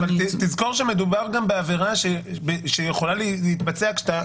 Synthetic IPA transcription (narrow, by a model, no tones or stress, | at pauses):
valt̪it̪izko̞ʁʃeme̞d̪ubaʁɡambeave̞ʁaʃebeʃejeχo̞laleleit̪bat͡seakʃt̪a